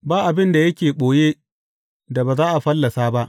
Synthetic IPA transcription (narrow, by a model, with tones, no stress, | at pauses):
baː˦ʔa˨bɪ˦nda˨jɐ˦kʲeː˨ɓoː˨jeː˦ | da˨baː˨zaː˦ʔa˨ɸɐ˦lːɐ˨saː˦ba˦ʔ